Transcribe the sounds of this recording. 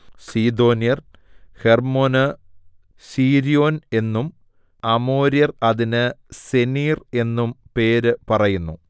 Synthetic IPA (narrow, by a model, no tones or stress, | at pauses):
siːd̪o̞ːnijɐr | he̞rmonɨ | siːɾijo̞ːne̞nːum | ɐmo̞ːɾjɐrɐðinɨse̞niːre̞nːumpe̞ːɾɨpɐrɐjunːu